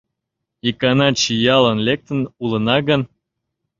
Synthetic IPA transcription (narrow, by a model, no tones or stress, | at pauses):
ikɑnɑt͡ɕijɑlə̆nlek̚t̪ə̆nulənɑɣən